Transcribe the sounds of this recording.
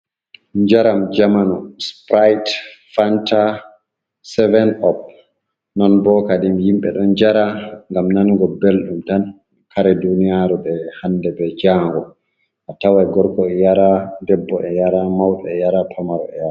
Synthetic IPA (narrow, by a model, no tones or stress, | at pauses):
ɲd͡ʒaɾamd͡ʒamanɔspɾajtfanta | sɛvɛnɔp̚ | nɔnbɔːkaɗimjimɓɛ̰ɗɔnd͡ʒaɾaŋɡamnanɡɔbelɗumtan | kʰaɾɛdunijaɾuɓɛhandɛbɛd͡ʒaːŋɡɔ | ʔatawajɡɔɾkɔɛjaɾadɛbːɔʔɛjaɾamawɗɔɛjaɾapʰamaɾɔ̰ɛjaɾa